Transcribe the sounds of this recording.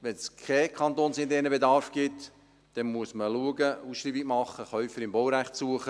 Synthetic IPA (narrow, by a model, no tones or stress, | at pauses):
ʋɛnskʰɛkχɑnt̪oːnsɪnt̪ɛnəbedɑɾfɡ̥ɪt | d̥ɛnmuəsməluəɡəusʃɾiːbiɡmɑχːəχœʏfəɾɪmbɔwɾæχtsuəχə